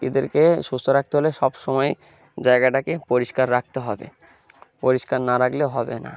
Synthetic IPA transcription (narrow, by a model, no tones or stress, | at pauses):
ed̪eɾkeʃust̪ʰoɾak̚t̪eɦoleʃɔbʃɔmɔe | d͡ʑaeɡaʈakepoɾiʃkaɾːak̚ʰt̪eɦɔbḛ | poɾiʃkaɾnaɾakleoɦɔbḛna̰